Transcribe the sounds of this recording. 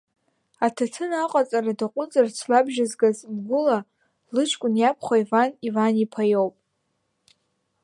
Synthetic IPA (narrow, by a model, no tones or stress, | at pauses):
atʰatʰɨnaqʼat͡sʼaradaqʷʼʊt͡sʼart͡sʰlabʒazɡazbɡʷʊla | lɨt͡ʃʰʼkʷʼʊnjapʰχʷaivanivanipʰajowpʼ